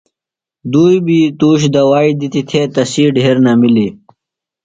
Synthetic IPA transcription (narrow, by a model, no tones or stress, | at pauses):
d̪uːjbiːt̪uːɕ̬d̪ɐwaːid̪it̪it̪ʰeːt̪ɐsiːɖʱeeɾnamili